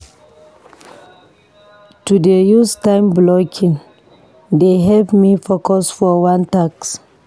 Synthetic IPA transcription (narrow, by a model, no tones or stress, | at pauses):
tudejustãɪ̃mblɔkʰĩŋ | deɦɛvmifokɔsfɔwãntaks